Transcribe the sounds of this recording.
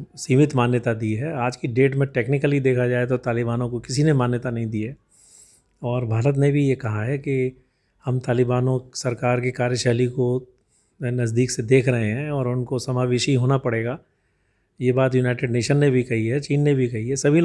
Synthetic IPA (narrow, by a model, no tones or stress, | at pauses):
siːmɪt̪maːnjət̪ad̪iɦɛaːd͡ʒkiɖeːʈmẽʈeːknɪkəlid̪eːkʰad͡ʒaːet̪̬ot̪aːlɪbaːnõkokɪsinemaːnjət̪anɐɦĩd̪ie | ɔːɾbʱaːɾət̪̬nebʱijekɐɦaɦɛki | hɐmt̪aːlɪbaːnõsɐɾkaːɾkikaːɾjəʃɛɦliko | nɐzd̪iːksed̪eːkʰɾɐɦeɦɛ̃ɔːɾʊnkosɐmaːʋeːʃiɦoːnapɐɽeːɡaː | jebaːt̪junaːɪʈeːɖneːʃənːebʱikɐɦiɦɛt͡ʃiːnːebʱikɐɦiɦɛsɐbʱil